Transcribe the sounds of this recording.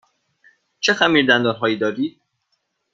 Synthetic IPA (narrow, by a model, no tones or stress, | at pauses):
t͡ʃʰexæmiːɾd̪ænd̪ɒːɾɦɒːjiːd̪ɒːɾiːd̪̥̚